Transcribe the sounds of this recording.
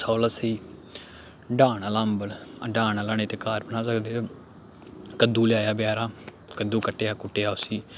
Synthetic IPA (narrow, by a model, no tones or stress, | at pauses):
saːləsiː | ɖaːɳalãːmbəlɖaːnalaːneːt̪eːkaːɾbənãːsəkd̪eː | kəd̪uːlɪjaːjaːbɪjaːɾaː | kəd̪uːkəʈːeːaːkʊʈːeːaːʊsiː